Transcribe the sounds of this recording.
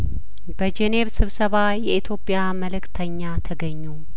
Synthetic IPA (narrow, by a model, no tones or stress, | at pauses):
b̥əd͡ʒene̞βsɨβsəβajɛʔit̪ʰjo̞pʼːjaməlɨkt̪ʰəɲːat̪ʰəɡəɲːu